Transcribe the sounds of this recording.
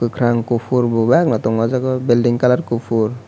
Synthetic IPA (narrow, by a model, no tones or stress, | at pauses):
kɯkʰɾaŋkupʰuɾbɔbaknɔt̪ɔŋɔzakɔbildiŋkalaɾkupʰuɾ